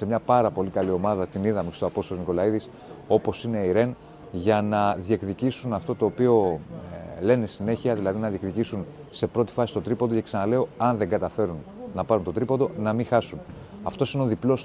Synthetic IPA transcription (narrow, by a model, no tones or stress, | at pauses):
se̞mɲɐpɐɾɐpo̞likɐlio̞mɐðɐt̪iniðɐmikst̪oɐpo̞st̪olozniko̞lɐiðis | o̞po̞sine̞iɾe̞n | ʝɐnɐðie̞kðicisunɐft̪o̞t̪o̞ːpio̞ | le̞nesine̞çiɐðilɐðinɐðiekðicisunse̞pɾo̞t̪i̥fɐsist̪o̞t̪ɾipot̪oceksɐnɐle̞o̞ɐnðe̞ŋɡɐt̪ɐfe̞ɾunnɐpɐɾunt̪o̞t̪ɾipot̪o̞nɐmixɐsun | ɐft̪o̞sineo̞ðiplo̞s